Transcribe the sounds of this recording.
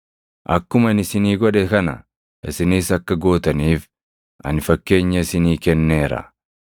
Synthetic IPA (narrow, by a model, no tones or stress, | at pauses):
ʔɐkːʊmɐnɪsɪniːɡɔᶑɛkɐnɐ̰ | ʔɪsɪniːsɐkːɐɡo̞ːt̪ɐniːf | ʔɐ̰nfɐkːe̞ːɲːɐɪsɪniːkɛnːeːɾɐ̰